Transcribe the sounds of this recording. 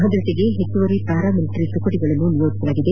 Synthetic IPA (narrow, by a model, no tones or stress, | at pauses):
ɦɐd̪ɾɐseɡe̞ɦet͡ʃːuʋɐɾipaːɾaːmiliʈɾit̪ukɐʈiɡɐɭɐnːunijoːʈisɐlaːɡid̪e